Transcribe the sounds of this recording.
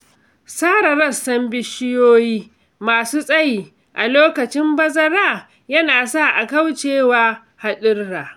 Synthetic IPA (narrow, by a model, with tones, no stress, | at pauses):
saː˦ɾɐ˨ɾɐ˦sːɐ˦mbɪ˦ʃɪ˦joː˦jiː˦ | maː˨suː˦sʼɐ˦jiː˦˨ | ʔa˨loː˦kɐ˨t͡ʃɪ˦mbɐ˦zɐ˦ɾaː˦˨ | jɐ˦naː˨sa˦˨ʔa˨kɐ˦wt͡ʃeː˦˨waː˦ | ha˦ɗɪ˦rːaː˨